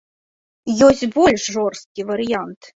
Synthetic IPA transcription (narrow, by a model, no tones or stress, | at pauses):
jɔsʲt͡sʲbɔlʲʂʐɔrst̪̚kʲivɐɾɨjant̪